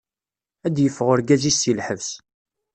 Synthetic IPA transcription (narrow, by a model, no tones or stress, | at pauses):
æd̪jəfːəʁʊɾɡæzisːilħəvs